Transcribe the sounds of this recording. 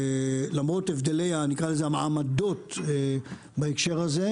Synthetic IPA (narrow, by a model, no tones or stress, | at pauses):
lamʁo̞t̪evd̪e̞lejanikʁalezeamaʕamad̪o̞te | baekʃe̞ʁhaze̞